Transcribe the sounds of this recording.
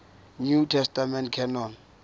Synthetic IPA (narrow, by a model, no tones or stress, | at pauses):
nutʰɛstamɛntkʰɛnɔn